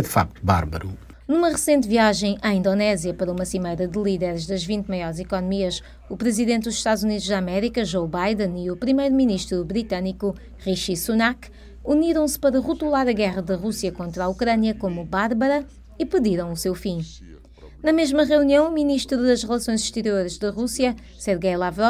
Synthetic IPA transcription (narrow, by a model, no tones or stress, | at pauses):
ðɨfa̰k̚t̪uba̰ɾβɐ̰ɾṵ | numɐʁɨsẽnt̪viaʒɐ̃j̃ʔaĩnd̪onɛzjɐpɐɾɐumɐsimɐjɾɐðɨlˠiðɛɾʒðɐʒvĩnt̪mɐjɔɾzikɔnumiɐʃ | upɾɨziðẽnt̪̚d̪uzʃt̪ad̪zuniðuʒðamɛɾikɐʒowβajðɐ̃niupɾimɐjɾuminiʃt̪ɾubɾit̪ɐniku | ʁiʃisunak | uniɾɐ̃w̃spɐɾɐʁut̪ulˠaɾɐɣɛʁɐðɐʁusiɐkõnt̪ɾaukɾɐnjɐkomubaɾβɐɾɐ | ipɨðiɾɐ̃w̃usewfĩ | nɐmeʒmɐʁiuniɐ̃w̃uminiʃt̪ɾuðɐʃʁɨlˠɐsõj̃zɨʃt̪ɨɾioɾʒd̪ɐʁusiɐ | sɛɾɣɐjlˠavɾɔ